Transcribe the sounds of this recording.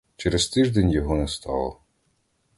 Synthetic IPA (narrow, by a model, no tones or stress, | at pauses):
t͡ʃɛɾɛzt̪ɪʒd̪enʲjɔɦɔnɛst̪ɑ̰lˠɔ̰